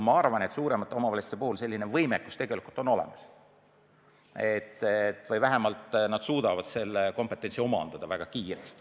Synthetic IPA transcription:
mɑɑrvɑne̞t̪suːɾe̞mɑt̪ːˑeo̞mɑvɑlʲisi̥t̪epuhulse̞lʲːinevɤjmekːˑu̥st̪e̞ɡ̥e̞likult̪o̞no̞le̞̰mɑs | et̪ːˑt̪ːˑvɤjvæɦemɑlt̪nɑd̪̥suːd̪̥ɑvɑd̪̥se̞lːeko̞mpːˑe̞t̪ːˑe̞nsio̞mɑ̰nd̪̥ɑd̪̥ɑvæɡ̥ɑkiːɾest̪i̥

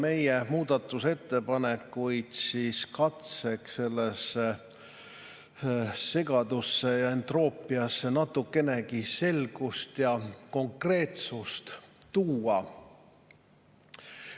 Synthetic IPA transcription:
me̞jemuːd̪̥ɑt̪ːˑuse̞t̪ːe̞pɑnekːˑujd̪̥siskɑt̪se̞kse̞lːese | e̞ɡ̥ɑd̪usːe̞jɑe̞nt̪ro̞ːpˑːiɑsːe̞nɑt̪ːˑukːe̞nekise̞lɡ̥ust̪jɑko̞ŋkre̞ːt̪sust̪t̪uːɑ

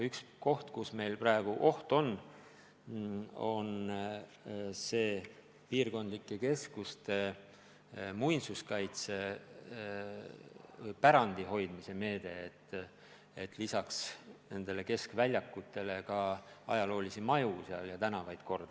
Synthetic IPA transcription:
yksko̞ht̪kusme̞jlprɑeɡ̥uʔo̞ht̪o̞n | o̞̰n | se̞ː | piːrko̞nd̪likːˑe̞ke̞skust̪e̞ | mujnsuskɑjt̪se̞ | pæɾɑnd̪̥iɦo̞jd̪̥mise̞me̞ːd̪e̞ːt̪ːˑ | e̞t̪ːˑlisɑksne̞nd̪̥e̞le̞ke̞skvælʲjɑkːˑut̪ːe̞le̞kɑɑ̰jɑlo̞ːlisimɑjuseɑ̰ljɑt̪ænɑvɑjd̪̥ko̞rd̪̥ɑ

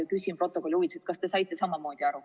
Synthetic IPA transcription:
kysʲimpro̞t̪ːˑo̞kolʲiuvit̪set̪̚kɑst̪e̞sɑjt̪ːˑe̞sɑmɑmo̞ːd̪̥iɑɾu

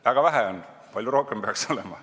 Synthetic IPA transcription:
væɡ̥ɑvæɦæon | pɑlʲjuɾo̞hkempeɑkso̞lemɑ̰

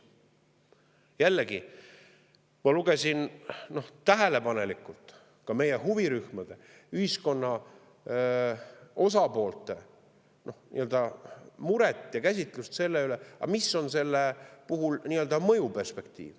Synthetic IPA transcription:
jælːeɡi | mɑluɡ̥e̞sʲinno̞ht̪æɦele̞pɑne̞likːˑult̪ˑ | kɑme̞jeɦuviɾyhmɑd̪̥e̞ | yhisko̞nːɑ | o̞s̬ɑpo̞ːlt̪ˑe̞ | no̞hnḭøld̪ɑmuɾe̞t̪ˑːjɑkæsʲit̪ˑlust̪se̞lːeyle̞ɑ̰misːo̞nse̞lːepuɦulniːøld̪ɑmɤ̞jupe̞rspe̞kt̪ḭːv

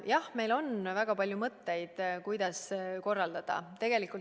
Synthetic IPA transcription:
jɑhme̞jlo̞nvæɡ̥ɑpɑlʲjumɤt̪ːe̞jd̪̥kujd̪̥ɑsko̞rːɑld̪̥ɑd̪̥ɑ̰t̪e̞ɡ̥e̞likːˑult

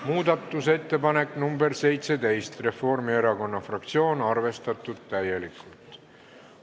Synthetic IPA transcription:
muːd̪ɑt̪ːˑuse̞t̪ːe̞pɑne̞kːˑnumbe̞rse̞jt̪se̞t̪e̞jst̪re̞fo̞rmie̞ɾɑko̞nːɑfrɑk̚t̪sio̞ːnɑrve̞st̪ɑt̪ːˑud̪̥̚t̪æje̞likːˑult̪ˑ

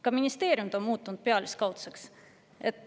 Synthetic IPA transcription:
kɑminʲist̪e̞ːɾʲjumt̪o̞nmuːt̪ːˑunt̪̚peɑliskɑwt̪seks | et̪

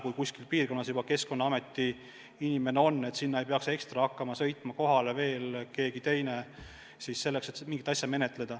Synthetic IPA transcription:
kujkusʲkilpiːrko̞nːɑsjubɑke̞sko̞nːɑɑme̞t̪ːi | inʲime̞neo̞nːe̞t̪sinːɑejpeɑkse̞kst̪rɑhɑkːɑmɑsɤ̞jt̪ˑmɑko̞ɦɑleve̞ːlke̞ːɡit̪e̞jne | sisse̞lːekse̞t̪miŋɡit̪ːɑsʲjɑme̞net̪ˑle̞d̪̥ɑ

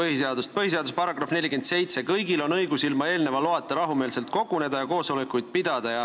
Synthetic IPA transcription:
ɤɦhise̞ɑd̪ust̪̚pɤɦis̬e̞ɑd̪uspɑɾɑɡ̥rɑfne̞lʲːike̞nt̪se̞jt̪se̞kɤjɡilo̞nɤjɡ̥usilmɑe̞ːlne̞vɑloɑtt̪ːˑɑɾɑɦumeːlse̞lt̪̚ko̞ɡune̞d̪ɑjɑko̞ːsolekːujd̪̥̚pid̪̥ɑd̪̥ɑjɑ

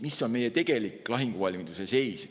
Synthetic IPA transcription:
misːo̞nme̞jet̪e̞ɡ̥e̞likːˑlɑɦiŋɡ̥uvɑlʲmid̪̥usese̞js

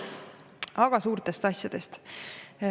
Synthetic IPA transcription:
ɑɡ̥ɑsuːɾt̪e̞st̪ɑsʲjɑd̪̥e̞st̪

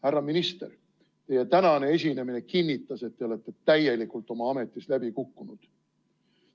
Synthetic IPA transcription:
hærːɑminist̪er | t̪e̞je̞t̪ænɑne̞e̞s̬ʲine̞mine̞kinʲːit̪ːˑɑse̞t̪ːe̞o̞le̞t̪ːe̞t̪æje̞likult̪ˑo̞mɑɑme̞t̪ːˑislæbikukːunud̪̥

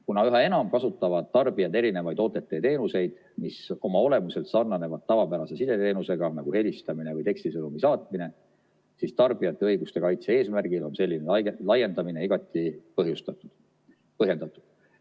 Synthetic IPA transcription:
kunɑyɦɑe̞nɑmkɑsut̪ːˑɑvɑd̪̥̚t̪ɑrb̥iɑd̪e̞ɾine̞vɑjd̪o̞ːt̪ːˑe̞t̪ːˑet̪e̞ːnuse̞jd̪̥ | miso̞mɑo̞le̞muse̞lt̪sɑrnɑne̞vɑd̪̥̚t̪ɑvɑpæɾɑse̞sid̪e̞t̪e̞ːnuse̞ɡ̥ɑnɑɡ̥uhe̞list̪ɑmine̞vɤjt̪e̞kst̪isɤnumisɑːt̪ˑmine̞ | sist̪ɑrb̥ijɑt̪ːˑe̞ɤjɡust̪e̞kɑjt̪see̞ːsmærɡ̥ilo̞nse̞lːinelɑje̞nd̪ɑmine̞iɡ̥ɑt̪ːˑipɤɦjust̪ɑt̪ːˑud̪̥ | pɤɦje̞nd̪̥ɑt̪ːˑud̪̥

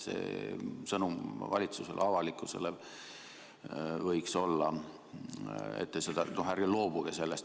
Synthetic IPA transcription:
sḛːsɤnumvɑlʲit̪suselʔɑvɑlikːˑuse̞̰le | vɤjkso̞lːɑ | ḛt̪ːesed̪̥ɑnohærɡilo̞ːb̥uɡ̥ese̞lːest̪

